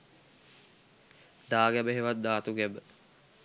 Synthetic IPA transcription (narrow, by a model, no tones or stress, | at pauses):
d̪aːɡæbəɦeʋat̪̚d̪aːt̪uɡɛbə